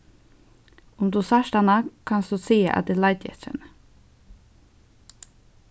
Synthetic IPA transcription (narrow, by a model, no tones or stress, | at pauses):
ʊmd̪uːsɑʃt̪ɑnɑkʰɑnsd̪uːsiːə̰ʔɑ̰t̪d̪ɪlɑɪd̪jɛ̰t̪ɾə̰nə